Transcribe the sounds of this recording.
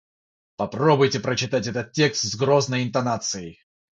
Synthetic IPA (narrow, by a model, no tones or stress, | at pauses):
pɐpɾo̞bʊjtʲɪpɾət͡ɕɪt̪atʲɛt̪ət̪̚tʲːe̞kst̪zɡɾo̞znəjɪnt̪ɐnat̪sɨɪ